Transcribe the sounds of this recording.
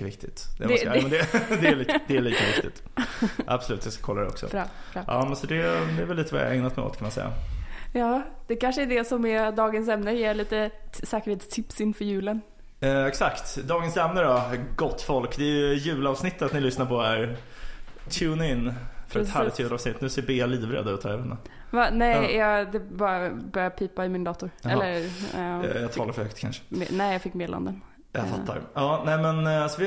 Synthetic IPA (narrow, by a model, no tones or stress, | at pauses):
avɪ̰kt̪ɪt̪d̪ɛ̰ɛnd̪ɛd̪ɛɭːd̪ɛæɭiːkavɪk̪ɪ̰t̪ʔa̰bsɔlʉ̰ːt̪jaskḁkʰɔlːad̪ɾɛ̰ɔ̰ksɔ̰ʔɑ̰ːmɛnsɔd̪ɛd̪ɛːvɛlliːt̪əva̰ja̰ɛ̰ŋnat̪mɛ̰o̰ːt̪kʰanmansɛ̰jːa̰jɑːd̪̥ɛkanʂəɛɖɛsɔmɛd̪ɑːɡənsɛmnəjeːɭiːt̪əsɛːkəɾheːt̪st̪ʰɪpsɪnːfœɾjʉ̟ːlən | ɛksakt̪d̪ɑːɡənsɛmnəɾɔɡɔt̪ːfɔlkd̪ɛːjɵjʉ̟ːlɑːvsnɪt̪ːat̪nɪlʏsnaɾpʰɔæɾ | t̪ʰʉːnaɪnːfœɾɛt̪hæːlɪʉːlɑːvsnɪt̪ːnʉːseːbeːaliːvɾḛːd̪aʉ̟ːt̪hɔɛɾvɛnd̪a̰ | vanɛjjɑd̪ɛbɑːɾabœɾjapʰiːpaɪmɪnd̪ɑːt̪ʊɾɛlːəɾ | jɑt̪ʰɑːlaɾfœɾhœkt̪kʰa̰nʂə̥mɛ̰nɛjɑfɪkːmeːd̪la̰nd̪ən | ja̰faːa̰ɾɑːnɛɪmɛnsɔvɪ